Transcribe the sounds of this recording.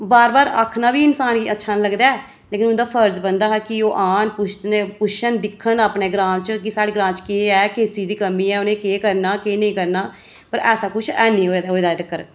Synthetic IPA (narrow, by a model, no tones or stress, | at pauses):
baːɾbaːɾa̰ːkʰnaːbiːɪnsaːnɡiːətːʃʰaːnləɡd̪aːɛː | leːkɪnʊnd̪aːpʰəɾd͡ʒbənd̪aːɦɛkɪoːʔaːnpʊʃnepʊʃənd̪ɪkʰːənaːpɳeːɡɾãːnt͡ʃkɪsaːɽeːɡɾãːnt͡ʃkeːɛːkeːsiːd̪iːkəmiːɛːʊnẽːkeːkəɾnaːkeːnəĩːkəɾnaː | pəɾɛːsaːkʊt͡ʃʰɛːnĩːɦoːɦoːd̪aːd̪əkːəɾ